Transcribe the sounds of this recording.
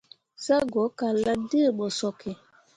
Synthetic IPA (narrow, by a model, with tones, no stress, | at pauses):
sa˦ɡɔ˨˦ka˨la˦də˦˨ɓə˨sɔ˨ki˨